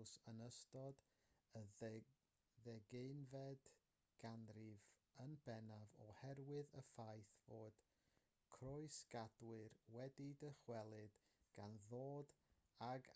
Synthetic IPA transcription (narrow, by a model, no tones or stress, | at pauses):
sənəstɔd | ə | ðɛɡeɨnvɛd | ɡ̥anrɪvənbɛnavɔhɛrwɨðəfajθvoːd̥ | kʰrʊɨsɡ̥adwɨrwɛdidəχwɛlˠɨd̥ | ɡ̥anðoːdaɡ